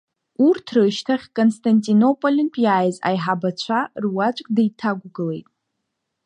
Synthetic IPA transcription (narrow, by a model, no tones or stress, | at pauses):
urtʰrɨʃtʰaχʲkʼonstʰantʼino̞pʼolʲɪnpʼjaːjza̰jħabat͡ɕʷʰarwat͡ʃʷʼkʼdajtʰaɡʷɡɨle̞jtʼ